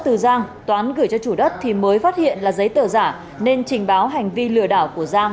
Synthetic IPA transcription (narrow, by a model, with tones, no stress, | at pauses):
t̪ɨ˨˩zaː˧ŋt̪waː˨˦nɣɨ˧˩jt͡ɕɔ˧t͡ɕu˧˩ɗə˦˥t̚t̪ʰi˨˩məː˨˦jfaː˦˥t̚hḭ˧˨ənlaː˨˩zə˨˦jt̪əː˧˩zaː˧˩ | ne˧nt͡ɕï˨˩ŋ̟ɓaː˨˦wɦa˨˩jŋ̟vi˧lɨ̰˧˨əɗaː˧˩wku˧˩əzaː˧ŋ